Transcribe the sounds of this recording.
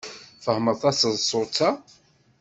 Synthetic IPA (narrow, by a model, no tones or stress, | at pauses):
fəhməɾθæsəzsˤʊt͡sːa